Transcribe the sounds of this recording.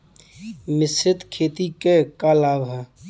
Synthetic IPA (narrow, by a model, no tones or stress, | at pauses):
mɪsɪt̪kʰeːt̪ikekalaːbʱ